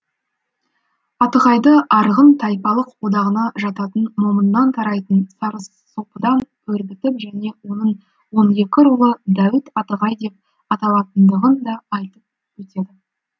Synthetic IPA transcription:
ɑt̪əʁɑjd̪əɑɾʁənt̪ʰɑjpɑlˠəqwo̞d̪ɑʁənɑʒɑt̪ɑt̪ənmomənːɑnt̪ʰɑɾɑjt̪ənsɑɾəsːopəd̪ɑnkʲʰɵɾbʲɪt̪ɪpʒæne̞wo̞nəɴ | wo̞ne̞kʲɪɾulˠəd̪æwɪt̪ɑt̪əʁɑjd̪e̞p̚ | ɑt̪ɑlˠɑt̪ənd̪əʁənd̪ɑːjt̪əp̚ | wɵt̪e̞d̪ɪ

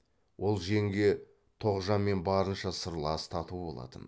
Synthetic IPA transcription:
wʔo̞lˠʒe̞ŋɡʲe̞ | t̪ʰo̞ʁʒɑmːe̞nbɑɾənʃɑsəɾlˠɑst̪ʰɑt̪ubo̞lˠɑ̰t̪ən

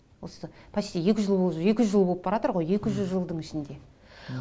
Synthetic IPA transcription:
wo̞səpʰɑset̪eje̞kʲɪʒəlˠbolˠe̞kʲɪʒəlˠbolˠəp̚bɑɾɑt̪əɾʁo̞je̞kʲɪʒʏzʒəlˠd̪əɴɪʃɪnd̪e̞

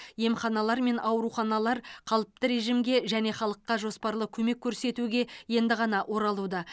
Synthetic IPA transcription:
je̞mχɑnɑlˠɑɾme̞nʔɑwɾuχɑnɑlˠɑɾqʰɑlˠəp̚t̪əɾe̞ʒimɡʲe̞ʒæne̞χɑlˠəqːɑʒo̞spɑɾlˠəkʲʰɵme̞kʲʰːɵɾse̞t̪uɡʲe̞je̞nd̪ɪʁɑnɑʔwʔo̞ɾɑlˠud̪ɑ

